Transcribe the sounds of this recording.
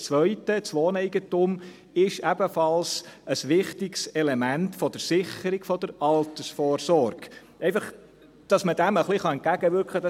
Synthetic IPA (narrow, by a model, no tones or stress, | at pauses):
t͡sʋœʏtət͡sʋoːnɛɪɡətʊm | ɪʃɛb̥əfɑlsʔəsʋɪχtɪksɛlɛmæntfɔd̥̪əɾsɪχəɾiɡfɔd̥̪əɾɑltəsfɔːrsɔɾɡ̥ | ɛɪfɑχ | d̥ɑsməd̥æməχliχɑɛnt̚kæɡ̥əʋʏɾkʰχəd̥ɑ